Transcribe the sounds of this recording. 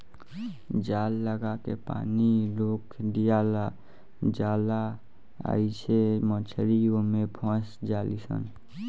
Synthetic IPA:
d͡ʒaːlːəɡakepa̰ːniloːkɖijala | d͡ʒaːla | a̰it͡ʃʰemə̃t͡ʃʰəɾiomepʰɔ̃sd͡ʒalisə̰n

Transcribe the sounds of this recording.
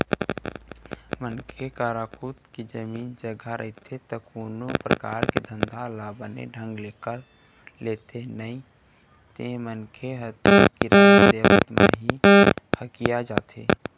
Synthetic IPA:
mənkʰekaːɾakʰut̪ked͡ʒəmiːnd͡ʒəɡʱaɾʔə̰ɪt̪ʰet̪əkoːnopɾə̰ka̰ːɾked̪ʱə̃nd̪ʱalabənḛɖʱə̃ŋɡleːkəɾ | leːt̪ʰenəi | t̪ẽmənkʰeɦət̪ukiɾaːnd̪ebə̰t̪ma̰ɦihəkijad͡ʒa̰ːt̪ʰḛ

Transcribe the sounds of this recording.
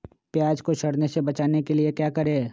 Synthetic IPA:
pjaːd͡ʒkoʃɐɽnesebɐt͡ʃaːnekeliekjaːkɐɾẽ

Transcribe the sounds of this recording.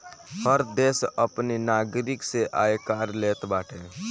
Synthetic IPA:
həɾd̪eːsəpninaːɡɾɪkseʔa̰ːekaːɾleːt̪baːʈʰẽː

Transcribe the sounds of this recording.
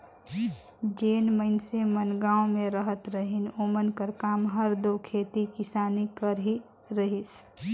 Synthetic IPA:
d͡ʒeːnməɪnsemənɡaːõmẽɾəɦət̪ɾəɦɪnoːmənkəɾkaːmɦəɾd̪okʰeːt̪ikɪsaːnikəɾɦi | ɾəɦis

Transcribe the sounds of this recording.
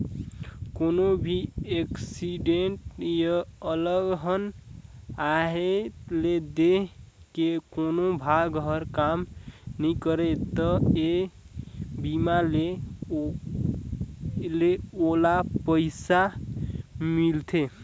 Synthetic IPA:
konobʱieksiɖeɳʈjəələɡɦən | aɦet̪led̪eɦkekonobʱaɡɦəɾkamnikəɾɛt̪əe | bimale | leolapəɪsa | milt̪ʰe

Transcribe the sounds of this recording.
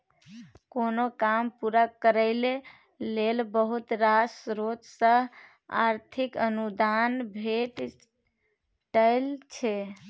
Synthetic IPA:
konokampuɾakəɾəɪle | lelbəɦut̪ɾasɾot̪sə̃ | a̰ɾt̪ʰikənud̪anbʱeʈ | ʈəɪlt͡ʃʰɛ

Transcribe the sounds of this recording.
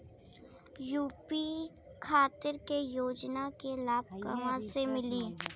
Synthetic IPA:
juːpi | kʰaːt̪ɪɾkejoːd͡ʒnakelaːb̚kə̰mãsemɪliː

